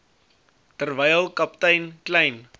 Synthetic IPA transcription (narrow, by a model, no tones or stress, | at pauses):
tərvɛjəlˠkɐp̚təjnkləjn